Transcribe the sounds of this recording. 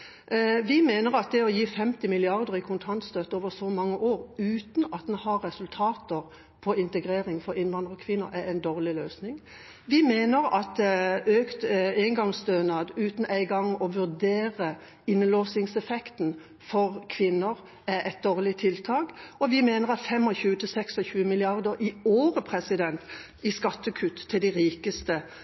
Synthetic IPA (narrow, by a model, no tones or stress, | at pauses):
ʋɪmeːnəʁɑt̪̚d̪ɛɔjiːfɛmt̪ɪmɪlɪɑʁd̪əʁɪkʰʊnt̪ʰɑnt̪st̪øːt̪əoːʋəʁsɔmɑŋːəʔoːʁʉːt̪n̩ɑt̪̚d̪ɛnhɑɾːɛsʉlt̪ʰɑːt̪əʁ | pʰɔɪnt̪əɡʁeːɾɪŋfɔɾɪnʋɑnd̪ʁəɔkʰʋɪnːə̰ɾææɪnd̪oːʁlɪløːsnɪŋ | ʋɪmeːnəɾɑt̪øːkt̪eɪŋɡɑŋsd̪øːnɑd̪ʉːt̪n̩æɪɡɑŋːɔʋʉʁd̪eːʁə | ɪnːəloːsɪŋsɛfɛkt̪n | fɔʁkʰʋɪnːəʁ | æʔɛt̪̚d̪oːʁlɪt̪ʰɪlt̪ʰɑːkɔʋɪmeːnəʁɑt̪fɛmːɔçʉːət̪ʰɪlsɛksɔçʉːəmɪlɪɑʁd̪əʁɪoːʁəpʰʁɛsɪd̪ɛnt̪ | ɪskɑt̪ːəkʰʉt̪ʰːɪld̪æɪʁiːkəst̪ə